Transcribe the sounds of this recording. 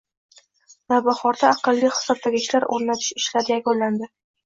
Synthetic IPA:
nabaχɒɾd̪aːqɨlˠːijχɨ̥sɒb̚d̪aɡʲɪʃlaɾoɾnat̪ʰɪ̥ʃɪʃlaɾɪjakʲonlland̪ɪ

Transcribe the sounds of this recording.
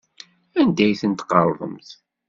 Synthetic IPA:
ænd̪æjθənt̪qɑɾˤðˤə̰mθ

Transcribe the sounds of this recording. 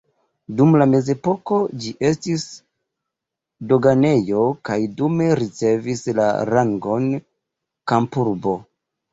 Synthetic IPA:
dumlame̞ze̞po̞ko̞d͡ʒiʔe̞stis | do̞ɡane̞jo̞kajdume̞ɾit͡se̞visla̰ɾaŋɡo̞n | kampuɾbo̞

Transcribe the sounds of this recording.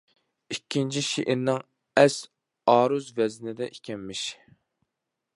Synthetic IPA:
ikʲʰːint͡ʃʰiʃiʔɪɾnɪŋ | ɛs | ɑːɾuzvɛznɪd̪ɛʔikʲʰɛmːɪʃ

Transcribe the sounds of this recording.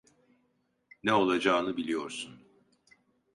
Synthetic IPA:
nɛo̞lˠad͡ʒaːnɯbilʲijo̞ɾsun

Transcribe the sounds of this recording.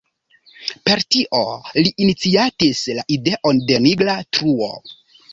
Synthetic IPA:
pe̞ɾtiʔo̞liʔːnit͡siatislaʔide̞ʔo̞nde̞niɡlatɾuo̰

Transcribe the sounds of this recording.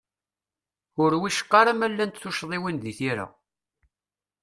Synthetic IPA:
ʊɾwiʃə̥qːɑɾamælːænt̪θuʃðˤiwinðiθiɾa̰

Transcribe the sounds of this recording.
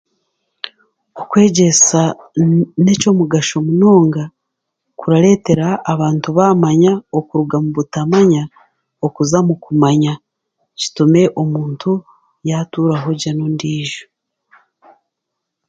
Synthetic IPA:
okwe̞ːɟe̞sa | ne̞co̞muɡaʃo̞muno̞ːŋɡa | kuɾaɾe̞ːte̞ɾaːβaːntuβamaɲaokuɾuɡamuβutamaɲa | okuzamukumaɲa | ci̥tume̞ʔo̞muːntʰu | jatuɾaɦo̞ɟanondiːʒo

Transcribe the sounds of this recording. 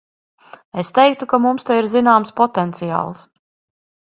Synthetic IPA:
est̪ɛjk̚t̪ukamumst̪aiɾzinaːmspɔt̪ɛnt̪sija̰ːlˠs

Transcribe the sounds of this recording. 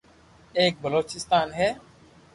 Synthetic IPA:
ek̚bəlot͡ʃist̪anɦɛ

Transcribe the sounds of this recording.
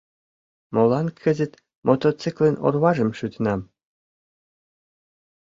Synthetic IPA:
molˠɑnkʰə̆zɘ̆t̪ | mʔot̪ot͡sikleno̰rβɑʒə̆mʃyt̪nɑm

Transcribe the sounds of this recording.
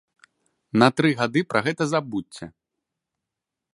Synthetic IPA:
nɐt̪ɾɨɣad̪ɨpɾʔɐɣɛt̪ɐzabut͡sʲːɐ̰

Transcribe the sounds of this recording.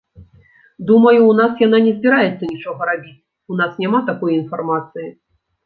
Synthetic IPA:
d̪umɐjuːnasjan̪anʲɛzʲbʲiɾajɛt̪sːɐnʲit͡ʂɔɣɐɾabʲit͡sʲ | unasnʲamat̪akɔjin̪farmat̪sɨji

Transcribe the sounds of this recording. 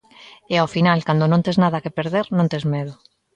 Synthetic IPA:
eaofinalkand̪onõnt̪eznaðakepeɾðeɾnõnt̪ezmeð̞o

